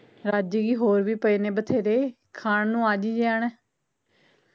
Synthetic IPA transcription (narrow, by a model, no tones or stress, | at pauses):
ɾaːd͡ʒiːɡiːɦoːɾʋiːpəiːneːbət̪ʰeːɾeː | kʰaːɳnũːaːd͡ʒiːd͡ʒaːnɛː